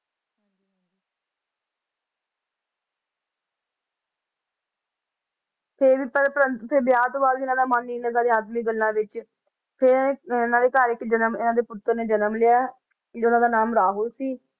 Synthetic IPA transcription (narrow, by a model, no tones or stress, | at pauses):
pʰɪɾʋiːpəɾpəpʰɪɾbjaːt̪oːbaːlɪnãːd̪aːmaːnːiːnəɡãːd̪eːaːd̪miːɡəlːãːʋɪt͡ʃ | pʰɪɾɪnãːd̪eːkaːɾɪkːd͡ʒənəmɪnãːd̪eːpʊt̪ːəɾneːd͡ʒənəmlɪjaː | ʊnãːd̪aːnaːmɾaːɦʊlsiː